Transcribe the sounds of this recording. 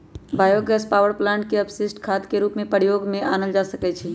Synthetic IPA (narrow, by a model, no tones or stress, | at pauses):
baːjoːɡɛːspaːʋəɾplãːɳʈkeɐbsɪsʈkʰaːt̪keɾuːpmẽpəɾijoːɡmẽʔaːnəld͡ʒaːsəkɛt͡ʃʰi